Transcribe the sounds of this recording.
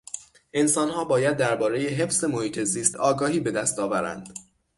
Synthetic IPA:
ʔe̞nsɒːnhɒːbɒːjæd̪ːæɾbɒːɾe̞jeɦe̞fze̞mohiːt̪ʰe̞ziːst̪ʰɒːɡɒːhiːbe̞d̪æst̪ɒːvæɾæ̰nd̪̥

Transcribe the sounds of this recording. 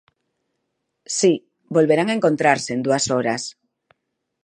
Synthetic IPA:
si | bolβeɾaŋaẽŋkont̪ɾaɾseend̪uasoɾas

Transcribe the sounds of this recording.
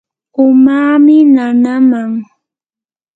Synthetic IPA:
ʊmaːmɪnanamaŋ

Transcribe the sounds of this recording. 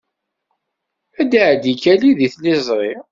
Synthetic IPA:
æd̪aʕd̪ikːæliðiθnɪzˤɾˤi

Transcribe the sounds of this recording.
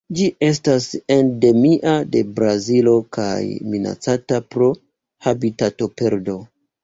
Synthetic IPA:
d͡ʒiʔe̞s̬tase̞nde̞miʔade̞̰bɾazilo̞ka̰jmina̰t͡satapɾo̞ | habitato̞pe̞ɾdo̞

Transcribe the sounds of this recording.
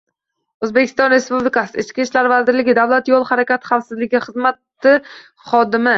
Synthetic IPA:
ɵzbekʲʰɪ̥st̪ɒnɾe̞spublɪkʰasɪɪt͡ʃkʲiʃlaɾvazɪɾlɪɡʲɪd̪avlat̪jɒlˠhaɾakʲat̪χafsɪzlɪɡʲɪχɨzmat̪ːɪ | χɒd̪ɪmɪ

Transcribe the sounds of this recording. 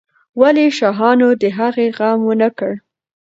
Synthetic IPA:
waleʃɑɦɑnod̪əɦaɣeɣamwənəkəɽ

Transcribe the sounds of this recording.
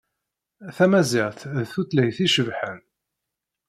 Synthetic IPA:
θæmæziʁθðθuθləjθiʃəvħən

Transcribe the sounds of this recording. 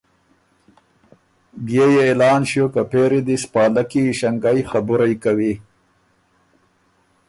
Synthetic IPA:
bjejeelɑːnʃjokapeːɾid̪ispɑːlakiʃaŋɡajxabuɾajkawi

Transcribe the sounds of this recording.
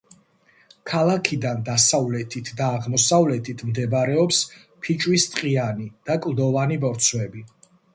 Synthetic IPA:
kʰalˠakʰid̪and̪asavlɛt̪ʰit̪ʰd̪aːʁmɔsavlɛt̪ʰit̪ʰmd̪ɛbɾɛɔps | pʰit͡ʃʼwist̪ʼqʼianid̪̥akʼlˠd̪ɔvanibɔɾt̪sʰwɛbi

